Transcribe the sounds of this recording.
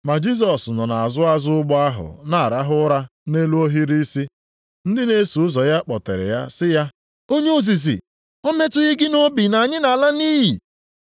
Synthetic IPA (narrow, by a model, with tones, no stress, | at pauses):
ma˨d͡ʒi˦s̬ɔ˨snɔ˨na˨a˨zʊ˦a˦zʊ˦ʊ˦ɡ͡bɔ˦a˦ɦʊ̰˨na˨ɾa˦ɦʊ˦ɾa˦ne˦lu˦o˦ɦi˦ɾi˦si˦ | n̩˦dɪ˦ne˦su˨ʊ˦zɔ˨ja˦k͡pɔ˨tḛ˨ɾɪ̰˨ja˦sɪ˦ja˦ | o˦ɲe˦o˨zi˨s̬ḭ˨ | o˦me˦tʊ˦ɣɪ˦ɡɪ˦no˦bi˨na˨ɲɪ˦na˨la˦niː˦ji˨